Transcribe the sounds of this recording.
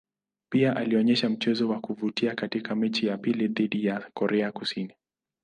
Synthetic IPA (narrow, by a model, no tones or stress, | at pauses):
piaʔaliɔɲɛʃam̩t͡ʃɛzɔwakuvutiakatikamɛt͡ʃijapiliðiɗijakɔɾʔɛakusini